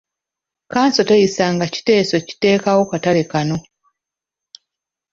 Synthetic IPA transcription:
kaːnso̞tejisaːŋɡaci̥te̞ːso̞ci̥te̞ːkawokatalekano̞

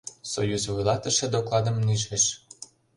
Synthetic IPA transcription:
sojuzvujlˠɑt̪ə̆ʃĕd̪oklˠɑd̪ə̆mniʒĕʃ

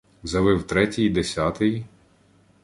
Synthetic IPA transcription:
zʲɐʋɪwt̪ɾɛtʲijid̪esʲat̪ɪji

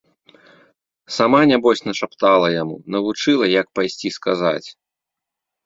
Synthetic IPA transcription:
samanʲabɔsʲnɐʂapt̪alˠɐjamṵnɐvut͡ʂɨlˠɐjɐk̚pajsʲt͡sʲiskaza̰t͡sʲ

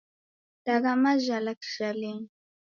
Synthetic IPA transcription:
t̪ɑɢɑmaʒalakʃalɪŋ

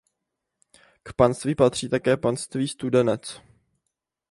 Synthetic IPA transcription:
kpanst̪viːpat̪r̝̥iːt̪akɛːpanst̪viːst̪udɛnɛt͡s

